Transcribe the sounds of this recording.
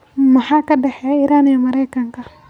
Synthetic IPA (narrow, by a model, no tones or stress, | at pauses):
mɐħaːkɐɖɛħɛiːɾaːnijɔmɐɾɛjkɐŋkɐ